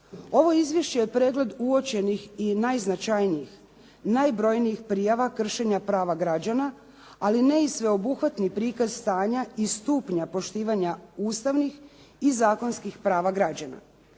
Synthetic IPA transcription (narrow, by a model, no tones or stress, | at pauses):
o̞ʋo̞izʋje̞ʃt͡ɕejepɾe̞ːɡle̞d̪uo̞t͡ɕe̞nixinajznat͡ʃajnijix | najbɾo̞jnijixpɾijaʋakr̩ʃe̞ɲapɾaːʋaɡɾad͡ʑana | aline̞isʋe̞o̞buxʋat̪nipɾiːkazst̪aːɲaist̪uːpɲapo̞ʃt̪iːʋaɲauːst̪aʋnix | izaːko̞nskixpɾaːʋaɡɾad͡ʑana̰